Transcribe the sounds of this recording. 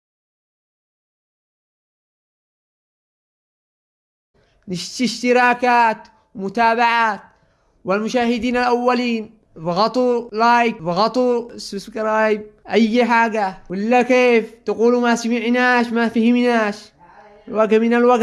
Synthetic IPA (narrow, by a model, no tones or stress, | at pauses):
niʃt̪iʃt̪iɾaːkaːt̪ | wmut̪aːbaʕaːt̪̚ | walmuʃaːhid̪iːnalʔawːaliːn | bɣɑt̪ˤulaːjkbɣɑt̪ˤususkɾˤɑːjib̚ʔajːħaːɡawilːakeːft̪aɡuːlumasamiʕnaːʃmafihimnaːʃ | lwaɡminalwaɡ